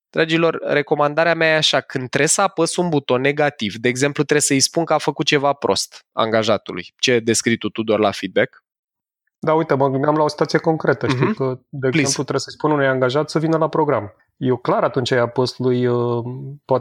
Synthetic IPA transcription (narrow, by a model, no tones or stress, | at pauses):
d̪̥ɾad͡ʒilo̞rːe̞ko̞mand̪aɾeameajeaʃakɨnd̪̚t̪ːɾe̞səapəsunbut̪o̞nːe̞ɡat̪ivd̪e̞ːɡze̞mplut̪ɾe̞səjspunkəafəkut̪̚t͡ʃe̞vapɾo̞̰st̪a̰ŋɡaʒat̪ṵlṵjt͡ʃe̞d̪e̞skɾit̪ut̪ud̪oarlafid̪̚bek | d̪aujt̪əməɡɨnb̪amlao̞si̥t̪at̪sijeko̞ŋkɾe̞t̪əʃt̪iwkəd̪eeemplut̪ɾesəjspununujaŋɡaʒat̪səvinəlapɾo̞ɡɾam | jeklaɾat̪unt͡ʃaeapəst̪ulujəpoat̪